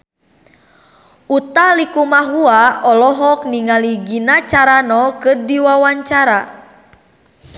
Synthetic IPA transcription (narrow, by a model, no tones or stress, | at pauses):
ut̪alikumaɦuaɔlɔɦɔk̚niŋaliɡinat͡ʃaɾanɔkɨrdiwawaɲt͡ʃaɾa